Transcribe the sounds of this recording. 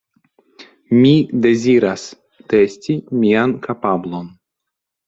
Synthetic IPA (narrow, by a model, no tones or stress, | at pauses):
mid̪e̞ziɾas | t̪e̞stʲimiankapablo̞n